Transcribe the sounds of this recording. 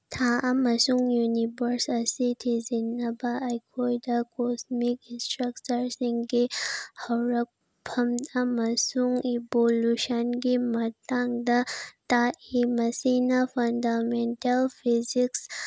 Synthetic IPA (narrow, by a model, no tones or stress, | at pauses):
t̪ʰaʔɐmɐsuŋjunibəɾsɐsit̪ʰizinɐbaːjkʰoidakosmikĩnsʈɾɐk̚t͡ʃɐɾsĩŋɡehɐwɾɐk̚ | bʱɐmd̪amɐsuŋiboluʃɐnkimɐt̪aŋd̪at̪aimɐsinafɐnd̪ameɳʈɐlpʰiziks